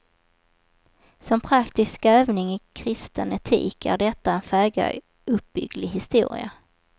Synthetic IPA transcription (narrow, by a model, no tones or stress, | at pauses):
sɔmpʰɾakt̪ɪskøːvnɪŋɪkʰɾɪst̪ənɛt̪ʰḭːkʰæ̰ɖɛt̪ːaɛnfɛːɡa̰ | ɵp̚b̥ʏɡlɪɦɪst̪ṵːɾɪ̰a̰